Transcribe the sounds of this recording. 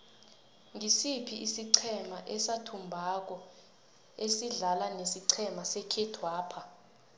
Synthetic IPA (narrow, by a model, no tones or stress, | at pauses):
ŋisipʰiʔisiǀʰɛmaʔɛsatʰumbʱak̬ɔ | esiɮalanesiǀʰɛmasɛkʰɛtʰwaːpʰa